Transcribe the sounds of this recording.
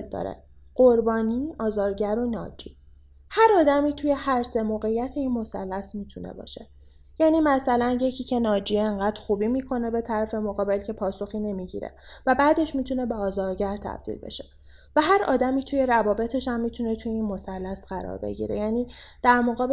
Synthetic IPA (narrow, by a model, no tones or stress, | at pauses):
ld̪ɒ̰ːɾḛ | ɢ̥oɾbɒːniːɒːzɒːɾɟæɾo̞nɒːd͡ʒḭː | hæɾɒːd̪æmiːt̪ʰuje̞hæɾse̞moːɣe̞jːæt̪ʰe̞iːnmo̞sælːæsmiːt̪ʰunḛbɒ̰ːʃe̞ | jæːnimæsælænje̞cʰiːcʰe̞nɒːd͡ʒiːeŋɢæd̪̥xuːbimiːkʰo̞ne̞be̞t̪ʰæɾæfe̞moɣɒːbe̞lcʰe̞pʰɒːso̞xiːne̞miɟḭɾḛvæbæːd̪e̞ʃmit̪ʰune̞beɒːzɒːɾɟæɾt̪ʰæ̰b̥̚d̪̥ḭlbe̞̰ʃe | væɦæɾʔɒ̰ːd̪æmiːt̪ʰuje̞ɾævɒːbe̞t̪ʰe̞ʃæmːit̪ʰune̞t̪ʰujeiːnmo̞sælːæsɢæɾɒ̰ːɾbḛɟḭɾḛjæːniːd̪̥æɾmoɣɒːb